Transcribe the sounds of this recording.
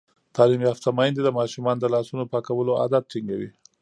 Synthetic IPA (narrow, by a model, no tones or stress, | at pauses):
t̪ɑlimjɑft̪amɑjnd̪ed̪əmɑʃumɑnod̪əlɑsunopɑkawəloa̰d̪at̪̚ʈiŋɡawi